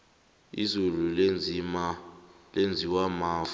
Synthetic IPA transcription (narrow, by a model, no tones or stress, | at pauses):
ḭzululm | lend͡zʱiwamaːv